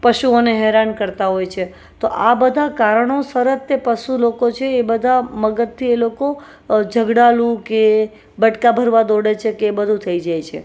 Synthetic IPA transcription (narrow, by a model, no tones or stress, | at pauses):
pəʃuoneɦɛɾankəɾt̪aɦojt͡ʃʰe | t̪oʔabəd̪ʱakaɾəɳ̃osəɾət̪ːepəʃulokot͡ʃʰeːbəd̪ʱaməɡət̪ʰːieloko | d͡ʒʱəɡɽalũke | bəʈkabʱəɾʋad̪oɽet͡ʃʰekeːbəd̪ʱũt̪ʰəid͡ʒajt͡ʃʰe